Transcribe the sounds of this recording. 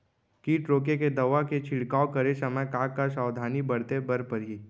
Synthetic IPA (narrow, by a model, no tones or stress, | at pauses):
kiːʈɾoːk̬eked̪ɐʋaket͡ʃʰɪɽkaːokɐɾesɐməjkaːkːasaːwd̪ʱaːnibɐɽt̪ebɐɾpɐɾɦiː